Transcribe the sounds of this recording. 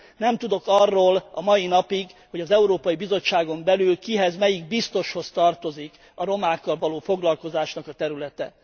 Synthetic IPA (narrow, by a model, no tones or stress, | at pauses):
nɛmt̪ud̪o̞kɒrːoːlɒmɒjinɒpiɡho̞ɟɒzɛuɾoːpɒjibizo̞t͡ʃːaːɡo̞mbɛlylkiɦɛzmɛjiɡ̚bist̪o̞ʃho̞st̪ɒrt̪o̞zik | ɒɾo̞maːkːɒlvɒloːfo̞ɡlɒlko̞zaːʃnɒkɒt̪ɛɾylɛt̪ɛ